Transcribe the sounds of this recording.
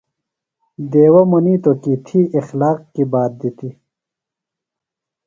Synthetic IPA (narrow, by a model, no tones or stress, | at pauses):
d̪eːwɐmɐniːt̪okit̪ʰiːʔixlaːqkibaːt̪̚d̪it̪i